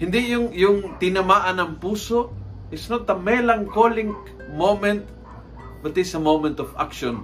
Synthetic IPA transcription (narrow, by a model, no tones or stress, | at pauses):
hɪnd̪ijʊŋjʊŋt̪ɪnɐmaːʔɐnɐŋpuːsoʔ | ɪsnot̪ːɐmɛlɐŋkolɪŋk | mowmɛnt̪̚ | bɐt̪ɪsɐmowmɛnt̪ɔfa̰kʃon